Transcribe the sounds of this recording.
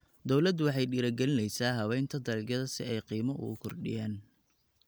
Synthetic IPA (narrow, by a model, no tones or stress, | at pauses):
d̪ɔwlɐd̪wɑħɑjɖiːɾɐɡɛlɪnɛjsaːɦɐwɛjnt̪ʰɐd̪ɐlɡjɐðɐsɪ̰ɛjqiːmɐʔʊ̰ʊkʰɔrɖɪ̰jaːn